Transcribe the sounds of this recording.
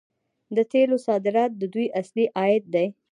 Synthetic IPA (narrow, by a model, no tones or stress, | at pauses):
d̪ət̪elosɑd̪ɪɾɑt̪̚d̪əd̪ujʔasliʔɑjɪd̪̚d̪aj